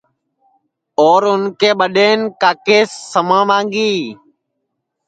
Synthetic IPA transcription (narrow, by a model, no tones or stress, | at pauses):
oːɾʊnkeːɓəɗeːnkaːkeːsːəmãːmãːŋɡiː